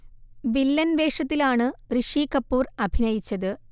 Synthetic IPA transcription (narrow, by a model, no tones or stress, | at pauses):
ʋilːɐnʋe̞ːʂɐt̪̬ːilaːɳɨrɨʂikɐpːuːrɐbʱinɐjit͡ɕːɐðɨ